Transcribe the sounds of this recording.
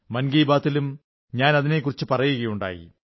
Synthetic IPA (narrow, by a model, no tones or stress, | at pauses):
mɐnɡiːbaːt̪ːilum | ɲaːnɐðine̞kːurit͡ɕːɨpɐrɐjuɣɐjuɳɖa̰ːjḭ